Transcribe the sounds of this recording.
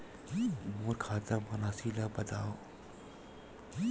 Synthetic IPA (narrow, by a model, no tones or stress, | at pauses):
moːɾkʰaːt̪abɐnaːsiːlabɐd̪aːo